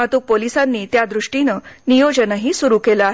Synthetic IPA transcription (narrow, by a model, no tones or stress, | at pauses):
at̪uːk̚polisanːiːt̪jad̪ɾuʂʈinənijod͡ʑənəɦiːsuɾukelaːɦ